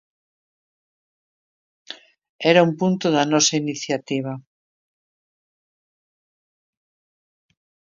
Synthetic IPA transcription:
ɛɾaumpunt̪oðanɔsainiθjat̪iβ̞a

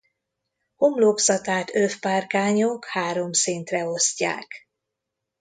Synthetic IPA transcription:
homloːksɒt̪aːt̪øfpaːrkaːɲokhaːɾo̞msint̪rɛo̞sca̰ːk

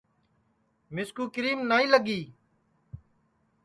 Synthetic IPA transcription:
mɪskuːkɪɾiːmnaːĩːləɡiː

